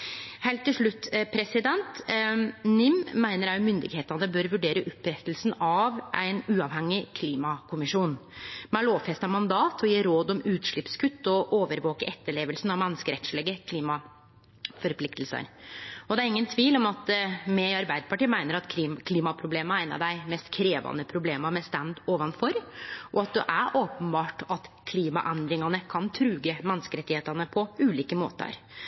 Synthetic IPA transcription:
heɪlt̪ːɪlʂɭʉt̪ːpʰɾɛsɪd̪ɛnt̪ | nɪmːæɪnəɾæʊmʏnd̪ɪ̰ɡheːt̪nɑd̪əbøːɾʋʉɖeːɾəʔʊpːɾɛt̪ːəlsn̩ɑʋʔæɪnʉːɑʋhɛŋːɪkʰliːmɑkʰʊmɪʂuːnmɛæloːʋfɛst̪ɑmɑnd̪ɑːt̪ʰɔjiːɾoːd̪ɔmʉːt̪ʂɭɪpskʰʉt̪ːɔʔoːʋəɾʋoːkəʔɛt̪ːəɭeːʋəlsn̩ɑʋmɛnːəskəɾɛt̪ʂɭɛɡəkʰliːmɑ | fɔɾpʰlɪkt̪l̩sə̰ɾɔd̪ɛæɾɪŋːənt̪ʰʋiːlɔmɑt̪mɛɑɾbæɪd̪əpʰɑʈiːmæɪnəɾɑt̪ːkʰliːmɑpʰɾʊbleːməɾæɪnɑ̰d̪æɪmɛst̪kʰɾeːʋɑ̰nəpʰɾʊbleːməɾmɛst̪ænd̪oːʋɑnfɔɾʔɔɑt̪̚d̪ʉ̰ʔæɾʔoːpənbɑːʈɑt̪kʰliːmɑ̰ʔɛnd̪ɾɪŋɑnəkʰɑnt̪ʰɾʉːɡəmɛnːskəɾɛt̪ːɪheːt̪ɑnəpʰɔʉːliːkəmo̰ːt̪ə̰ɾ

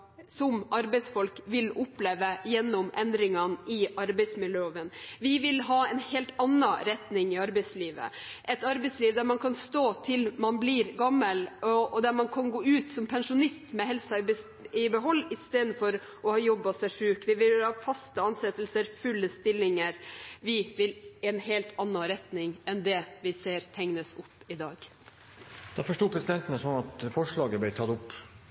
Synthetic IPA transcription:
sɔmʔɑɾbɛɪsfɔlkʋɪlʊpleːʋəjɛnːɔmʔɛnd̪ɾɪŋɑnɪʔɑɾbɛɪsmɪljøːʋənʋɪʋɪlɦɑːɛnheːlt̪ɑnːɑɾɛt̪nɪŋɪɑɾbɛɪsliːʋə̰ʔɛt̪ɑɾbɛɪsliːʋd̪æɾmɑnkʰɑnst̪oːt̪ʰɪlmɑnbliɾɡɑmːəlɔɔd̪æɾmɑnkʰɑnɡoːʉːt̪sɔmpʰɛnʂʊnɪst̪mɛɦɛlsɑɪb | ɪbəɦɔlːɪst̪eːd̪n̩fɔɾ | ʔɔhɑːjɔbːɑsæʂɾʉːkʋɪʋɪlhɑːfɑst̪əɑnsɛt̪ːəlsəɾfʉlːəst̪ɪlːɪŋəɾʋɪʋɪlɛnheːlt̪ʰɑnːɑɾɛt̪nɪŋɛnd̪ɛʋɪseːɾt̪ʰɛŋnəsʊpː | ɪd̪ɑːɡ̥ | d̪̥ɑːfɔʂʈuːpʰɾɛsɪd̪ɛnt̪ənəsɔnːɑt̪fɔʂɭɑːɡəblæɪt̪ʰɑt̪ʊpː

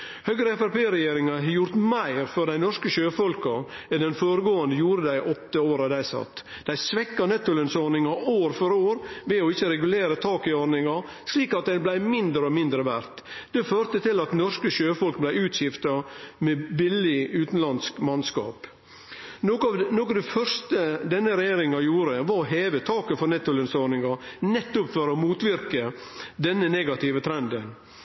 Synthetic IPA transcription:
hœɡɾəɛfæɪpeːɾɛjeːɾɪŋɑɦɑjʊɾt̪mæɪɾfɔɾd̪æɪnɔʂkəʃøːfɔlkɑ | ɛnd̪ɛnfoːɾəɡoːənd̪əjuːɾəd̪æɪʔɔt̪ːəoːɾɑd̪æɪsɑ̰t̪ː | d̪̥æɪsʋɛkːɑnɛt̪ːʊlənsɔɾnɪŋɑoːɾfɔɾoːɾʋɛɔɪçːəɾɛɡʉleːɾət̪ʰɑːkɪɔɾnɪŋɑ | sliːkɑt̪̚d̪æɪblæɪmɪnd̪ɾəɔmɪnd̪ɾəʋæɾt̪d̪̥ɛføːɾt̪ət̪ɪlɑt̪nɔʂkəʃøːfɔlk̚blæɪʉːt̪ɕɪft̪ɑmɛbɪlːɪʉːt̪n̩lɑnskmɑnskɑ̰ːpː | knoːkɑd̪ɛfœɾʂst̪əd̪ɛnːəɾɛjeːɾɪŋɑjuːɾəʋɑɾɔɦeːʋət̪ʰɑːkəfɔɾnɛt̪ːʊlɪnsɔɾnɪŋɑnɛt̪ːʊpfœɾɔmuːt̪ʋɪɾkəd̪ɛnːəneːɡɑt̪ʰɪʋət̪ʰɾɛnd̪ən

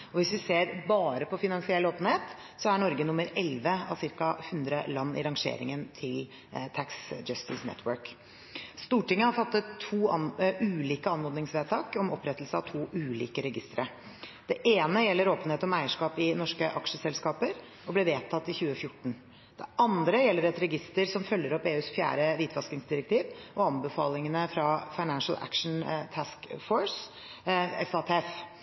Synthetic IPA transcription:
ɔʋɪsʋɪseːɾbɑːɾəpʰɔfɪnɑnsɪɛlːoːpən̩heːt̪ | sɔæɳɔɾɡənʊmːəɾɛlʋəɑʋsɪɾkɑhʉnd̪ɾəlɑnːɪ̰ɾɑŋʂḛːɾɪ̰ŋənt̪ʰɪl | t̪ʰæksd͡ʒœst̪ɪsnɛ̰t̪ʰwœɾk | st̪uːʈɪŋːəhɑɾfɑt̪ːət̪ʰːuːʔʉːliːkəɑnːɔd̪nɪŋsʋeːt̪ʰɑːkɔmɔ̰pːɾɛt̪ːlsəɑʋt̪ʰuːʔʉːlḭːkəɾɛɡɪst̪ɾə | d̪̥ɛʔeːnəjɛlːəɾoːpəneːt̪ɔmæɪəʂkɑːpɪnɔʂkəʔɑkʂəsɛlskɑːpəɾ | ɔblɪʋeːt̪ʰɑt̪ːɪçʉːəfjʊʈːɳ̩ | d̪̥ɛ̰ʔɑnd̪ɾəjɛlːəɾɛt̪ɾɛɡɪst̪əɾsɔmfœlːəɾɔpeːʉːsfjæ̰ːɾəʋiːt̪ʰʋɑskɪŋsd̪ɪɾək̚t̪ʰiːʋɔɑnbəfɑːlɪŋənəfɾɑfɑɪnænʂl̩æ̰kʂɳ̩t̪ʰæskfɔɹs | ɛ̰fɑːt̪ʰɛːɛf

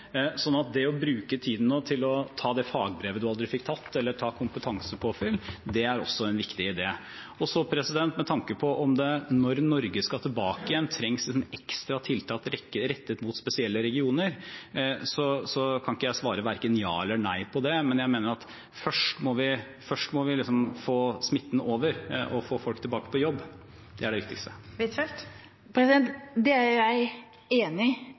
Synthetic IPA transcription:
sɔnːɑt̪̚d̪ɛɔbɾʉːkət̪ʰiːd̪n̩noːt̪ʰɪlɔt̪ʰɑːd̪ɛfɑːɡ̚bɾeːʋəd̪ʉɑld̪ɾɪfɪkːt̪ʰɑt̪ʰːɛlːəʈʰɑːkʰʊmpət̪ʰɑŋsəpʰɔfʏlːd̪ɛæɾɔ̰sːɔɛnʋɪkt̪ɪɪd̪eː | ɔsɔpʰɾɛsɪd̪ɛnt̪mɛt̪ʰɑŋkəpʰɔʔɔmd̪ɛnɔɾnɔɾɡəskɑt̪ʰɪlbɑːkɪjɛnt̪ʰɾɛŋslɪs̬ɔmɛkst̪ɾɑt̪ʰɪlt̪ʰɑːt̪ɾɛəɾɛt̪ːət̪mʊt̪spɛsɪɛlːəɾɛɡɪuːnəɾ | sɔsɔkʰɑnɪkːəjæɪsʋɑːɾəʋæɾkənjɑ̰ːɛlːəɳæɪpʰɔd̪ɛmɛnjæɪmeːnəɾɑt̪ | fœʂʈmɔʋɪ | fœʂʈmɔʋɪlɪsɔmfoːsmɪt̪ːnoːʋəɾʔɔfoːfɔlk̚t̪ʰɪlbɑːkə̥pʰɔjɔbː | d̪ɛæɖɛʋɪkt̪ɪkst̪əɪt̪ʰɛlt̪ | pʰɾɛsɪd̪ɛnt̪d̪ɛæɾjæɪ | eːnɪ

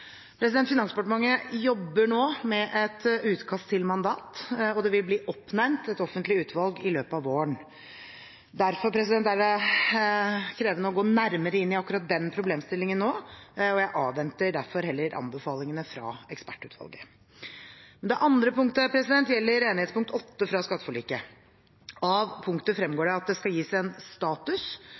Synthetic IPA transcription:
pʰɾɛsɪd̪ɛnt̪fɪnɑnspɑʈmɑŋəjɔbːəɳoːmɛʔɛt̪ʉːt̪kʰɑst̪ʰːɪlmɑnd̪ɑ̰ːt̪ɔd̪ɛʋɪlbliːʔɔpːnɛɾmt̪ɛt̪ɔfənt̪lɪʉːt̪ʋɑlɡɪløːpəɑʋoːəɳ | d̪æɾfɔɾpʰɾɛs̬ɪd̪ɛnt̪æɾ | kʰɾeːʋənəɔɡoːnæɾməɾəɪnːɪɑkːʉɾɑt̪̚d̪ɛnpʰɾʊbleːmst̪ɪlːɪŋənːoːɔjæɪʔɑːʋɛnt̪əɖæɾfɔɾhɛlːəɾʔɑ̰nbəfɑːlɪŋənəfɾɑ̰ɛkspæʈːʉ̰ːt̪ʋɑ̰lɡə | mɛnd̪ɛʔɑnd̪ɾəpʊŋk̚t̪əpʰɾɛsɪd̪ɛnt̪jɛlːəɾeːnɪhet̪spʰʊŋkt̪ʰɔt̪ːəfɾɑskɑt̪ːə̥fɔɭiːkə | ɑʋpʰʊŋkt̪əfɾɛmɡoːɖɛɑt̪̚d̪ɛskɑjiːsæɪɛnst̪ɑːt̪ʉs

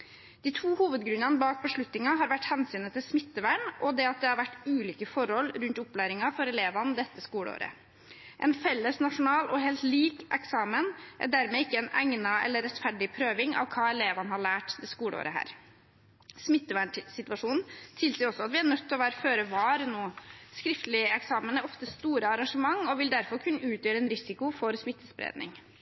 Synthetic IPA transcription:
d̪̥ɪt̪ʰuːhuːʋəd̪ɡɾʉnɑnəbɑːk̚bəʂɭʉt̪nɪŋɑɦɑːɾʋæʈːhɛnsyːnət̪ʰɪlsmɪt̪ːəʋæɳʔɔd̪ɛɑt̪̚d̪ɛhɑɾʋæʈːʉːliːkəfɔɾhɔlːɾʉnt̪ʊplæːɾɪŋɑfɔɾɛleːʋɑnəd̪ɛt̪ːəskuːɽəo̰ːɾə̰ | ʔɛ̰nfɛlːəsnɑʂʊnɑːlʔɔɦeːlt̪liːkʔɛksɑːmənʔæ̰ɖæɾmɛɪkːəɛnæ̰ŋnɑɛ̰lːəɾɛt̪fæɖɪpʰɾøːʋɪŋɑ̰ʋkʰɑːɛleːʋɑnəhɑɭæːʈd̪ɛskuːləo̰ːɾəɦæ̰ːɾ | smɪt̪ːəʋæɳʈsɪt̪ʉɑʂuːnn̩t̪ʰɪlsiːəɾɔsːɔɑt̪ʋɪæɳœt̪ʰːlɔʋæːɾəføːɾəʋɑːɾnoːskɾɪft̪əlɪɛksɑːmənæɾɔft̪əst̪uːɾəɑɾɑŋʂəmɑŋːɔʋɪld̪æɾfɔɾkʰʉnːəʉːt̪jøːɾəɛnɾɪsɪkʊfɔɾsmɪt̪ːəspɾḛːd̪nɪ̰ŋ

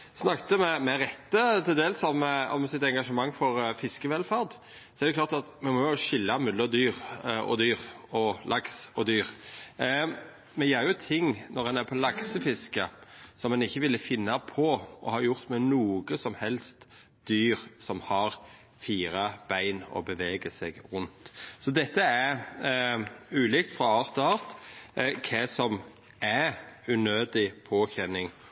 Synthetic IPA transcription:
snɑkt̪əmɛmɛɾɛt̪ːət̪ʰɪld̪eːlsɔmɔ̰msɪt̪ɛŋɡɑʂəmɑŋːfɔɾfɪskəʋɛlfæʁd̪ | sɔɛɾd̪əkʰlɑːɾt̪ɑt̪mɛnmɔjʊʃɪlːɑmʉlːəɾd̪yːɾɔ̰d̪yːʁ | ɔlʔɑksɔd̪yːɾ | mɛjæːɾjʊt̪ʰɪŋːnɔɾɛnæɾpʰɔlɑksəfɪskəsɔmɛnɪçːəʋɪlːəfɪnːɑpʰɔɔhɑɾjʊʁt̪mɛnuːɡəsɔmhɛlst̪ | d̪̥yːɾsɔmhɑɾ | fiːɾɑb̥æɪnɔ̰bəʋeːɡəsɛɡɾʊnt̪sɔd̪ɛt̪ːəæɾ | ʉːlɪkt̪fɾɑɑːɾt̪ɔɑːɾt̪kʰɛsɔm | æʉnøːd̪ɪpʰoːçɛnɪŋ

